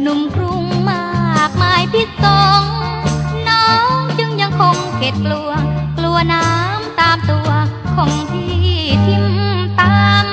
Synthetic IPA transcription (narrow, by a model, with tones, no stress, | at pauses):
nu˨˩˦mkʰɾu˧˩ŋmaː˥˩k̚maː˧˥jpʰi˧˥˩t̪̚so˧˩ŋ | nɔː˦˥ŋt͡ɕɯ˧˩ŋja˧ŋkʰo˧ŋkʰe˨˦˥t̪̚klu˧ɐklu˧ɐnaː˦˥mt̪aː˧mt̪u˧ɐkʰɔː˨˩˦ŋt̪ʰiː˧˩˥t̪ʰi˧˩mt̪aː˧ŋ